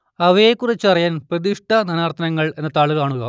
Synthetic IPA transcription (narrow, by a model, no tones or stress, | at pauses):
ɐʋɐjekːurit͡ɕːɨɐrijaːnprɐðiʂʈɐnɐnaːrt̪ʰɐnɐŋːɐɭe̞nːɐt̪aːɭɨkaːɳuɣɐ